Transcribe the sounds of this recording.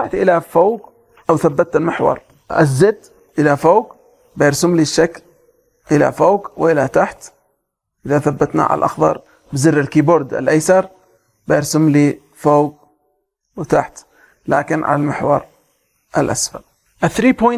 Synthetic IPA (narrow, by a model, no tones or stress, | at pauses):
aʕt̪ʔɪlafoːɡ | ʔawθabːat̪ːɪlmɪħwɑ̰ɾˤ | ʔa̰zːɪd̪ | ʔɪlafoːɡ | bajɑɾsʊmliʃːakl | ʔɪla̰foːɡwʔɪlat̪aħt̪ | ʔɪðaθabːat̪na̰ʕa̰a̰lʔɑ̰xðˤɑ̰ɾˤ | bɪzɪrːɪlkiːbʊɾˤd̪ɪ̰lʔajsɑɾˤ | bajɑɾsʊmli | foːɡ | wɪt̪aħt̪ | la̰ːkɪnʕa̰lalmɪħwɑ̰ɾˤ | ʔalʔa̰sfa̰l | ʔɪθɾiːpoj